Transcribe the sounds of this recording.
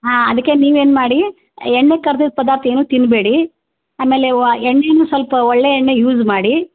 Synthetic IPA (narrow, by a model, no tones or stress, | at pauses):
ɦãːɐd̪ɐkːe̞niːʋeːnmaːɽi | ɛɳːekɐɾd̪id̪̚pɐd̪aːɾt̪ieːnuːt̪inbeːɽi | aːme̞ːleɛɳːenuːsʋɐlpɐɔɭːeɛɳːejuːzmaːɽi